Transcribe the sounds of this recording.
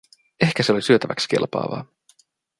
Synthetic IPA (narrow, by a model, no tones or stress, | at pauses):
ehkæseolisyøt̪æʋækske̞̰lpɑ̰ːʋɑ̰ː